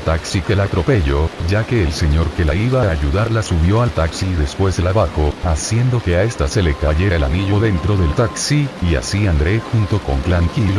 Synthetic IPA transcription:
t̪aksikelat̪ɾo̞pe̞ʝo̞d͡ʒake̞ːlse̞ɲo̞ɾke̞laiβaːaʝuðaɾlasuβjo̞alt̪aksiðe̞spwe̞zðelaβaxo̞asje̞nd̪o̞ke̞ae̞st̪aselekaʝeelaniʝo̞ðe̞nt̪ɾo̞ðe̞lt̪aksiːa̰siand̪ɾe̞xunt̪o̞ko̞̰ŋklaŋkilo

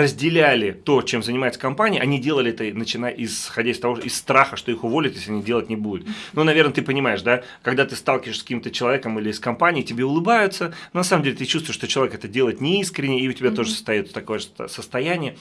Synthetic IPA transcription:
rəzʲdʲɪlʲælʲɪt̪o̞t͡ɕe̞mzənʲɪmajʊt̪sə̥kɐmpanʲɪiʔɐ̰nʲidʲe̞lˠəlʲɪɛt̪ənət͡ɕɪnaʔɪsxɐdʲæɪst̪ɐvo̞ɪsːt̪ɾaxəʂt̪o̞ixʊvo̞lʲɪt̪jeslʲɐnʲidʲe̞lˠətʲnʲɪbud̪ʊt̪nonɐvʲe̞rnət̪ɨpənʲɪmaɪʂd̪a | kɐɡd̪at̪ɨst̪alˠkʲɪvəɪʂsʲkɐkʲimt̪ət͡ɕɪlˠɐvʲekəmilʲɪːskɐmpanʲɪiːtʲɪbʲeʊlˠɨbajʊt̪sənonɐsaməmdʲelʲɪt̪ɨt͡ɕust̪vʊɪʂt̪o̞t͡ɕɪlˠɐvʲekɛt̪ədʲe̞lˠəɪt̪nʲɪiskɾʲɪnʲːɪɪʊtʲɪbʲat̪o̞ʐɨsə̥st̪ɐjot̪t̪ɐko̞jəʂsəst̪ɐjænʲɪjə

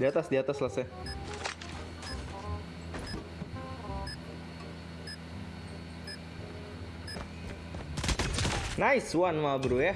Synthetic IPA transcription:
diat̪asdiat̪aslasa | naɪswanmabɾuja

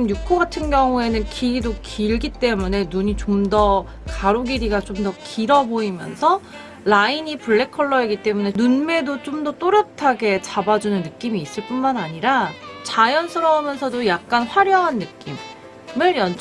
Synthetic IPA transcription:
mjukʰoɡatʰɯnɡjʌŋue̞nɯnkʰiidokʰiɭɡit͈e̞mune̞nuɲit͡ɕomdʌ | kaɾoɡiɾiɡat͡ɕomdʌkiɾʌboimjʌ̰nsʰʌ | laiɲipuɭːe̞kʰʌɭːʌeɡit͈e̞mune̞nunme̞dot͡ɕomdʌt͈oɾjʌp̚tʰaɡe̞t͡ɕabad͡ʑunɯnːɯk͈imiːs͈ɯɭp͈unmanaɲiɾat͡ɕajʌnsʰɯɾʌumjʌnsʰʌdojak̚k͈anɸwaɾjʌŋɦanːɯk͈im | mɯɭjʌn

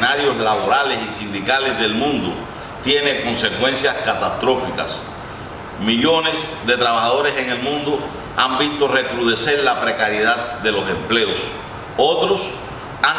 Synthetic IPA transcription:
aɾjo̞slaβo̞ɾale̞sisind̪ikalezðe̞lmũnd̪o | t̪je̞neko̞nse̞kwẽ̞nsjaskat̪ast̪ɾo̞fika̰s | miʝo̞ne̞sðe̞t̪ɾaβaxaðo̞ɾe̞se̞ŋe̞lmũnd̪o | ambist̪o̞re̞kɾuðe̞se̞ɾlapɾe̞kaɾjeðad̪̚d̪e̞lo̞se̞mple̞os | o̞t̪ɾo̞s | a

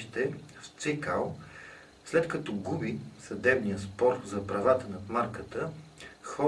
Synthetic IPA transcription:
ʃt̪ɛft̪sikalˠ | slɛt̪kɐt̪ɔɡubisɐd̪ɛbnijəspɔɾzɐpɾɐvat̪ənɐt̪maɾkət̪əxɔ

